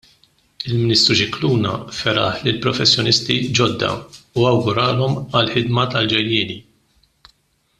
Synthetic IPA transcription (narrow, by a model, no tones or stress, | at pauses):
ɪlmɪnɪːst̪ɾuʃɪkluːnɐ̰fɛɾɐ̰ħlɪlpɾɔfɛsːjɔnɪst̪id͡ʒɔd̪ːɐ̰uɐwɡʊɾɐːlɔmɐlħɪd̪mɐt̪ɐld͡ʒɛjjɪːni